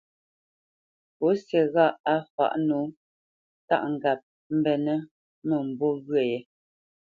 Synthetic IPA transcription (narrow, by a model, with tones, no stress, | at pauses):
po˨˦sjɛ˨ɣa˦˨a˦fa̰˨ʔnu˨˦ | ta̰˦ʔŋ̩˨ɡa˨p̚ | m̩˦bɛ˨nə˦ | mə˨m̩˨bo˦ɣɥɛ˦˨jɛ˨